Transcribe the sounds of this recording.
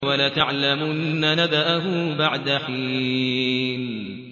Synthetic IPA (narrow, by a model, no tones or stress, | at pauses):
walat̪aʕlamʊʔnːanad̪aʔaɦʊbaʕd̪aħiː | n